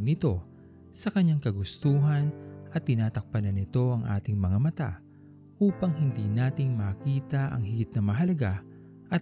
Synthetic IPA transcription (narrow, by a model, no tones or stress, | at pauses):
nɪt̪o̞ | sɐkɐɲːaŋkɐɡʊst̪uːɦɐnʔɐt̪ːɪnaːt̪ɐk̚pɐnɐnɪt̪o̞ʔɐŋʔa̰ːt̪ɪŋmɐŋamɐt̪a̰ | ʔuːpɐŋɦɪnd̪iːnaːt̪ɪŋmɐkiːt̪ɐʔɐ̰ŋhɪɡɪt̪̚nɐmɐɦɐlɐɡa | ʔɐ